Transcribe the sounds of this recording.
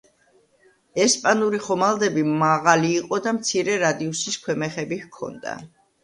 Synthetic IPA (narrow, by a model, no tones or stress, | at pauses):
ɛspʼanuɾiχɔmalˠd̪ɛbimaʁaliːqʼɔd̪amt̪sʰiɾɛɾad̪iusiskʰwɛmɛχɛbihkʰɔ̰nd̪a̰